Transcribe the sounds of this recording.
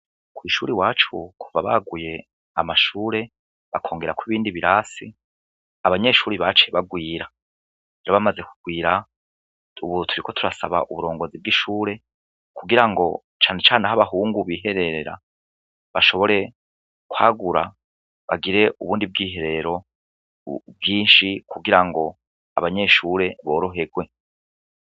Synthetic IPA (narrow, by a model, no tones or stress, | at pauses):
kwiːʃuːɾiwaːt͡ʃukʰuvaβa̰ɡuje̞ | amaʃuːɾe̞ | βakʰo̞ːŋɡe̞ɾakwiβiːndiβiɾasi | aβaɲe̞ʃuːɾiβat͡ʃe̞βaɡwiːɾa | eɾoβamaze̞ku̥ɡ̥wiːɾa | uβutʰuɾiko̞tʰuɾasaβa̰ʔuβuɾo̞ːŋɡo̞zib̚ɡiʃuːɾe̞ | kuɡiɾaŋɡo̞ | t͡ʃaːne̞t͡ʃaːneɦaβaɦuːŋɡuβiːɦe̞ɾeɾeɾa̰ | βaʃo̞βo̞ɾe̞ | kwaːɡuɾa̰ | βa̰ɡiɾe̞ʔuβuːndib̚ɡiːɦe̞ɾe̞ɾo̞ | bɡiːnʃikuɡiɾaŋɡo̞ | a̰βaɲe̞ʃuɾe̞βo̞ːɾo̞ɦe̞ɡwe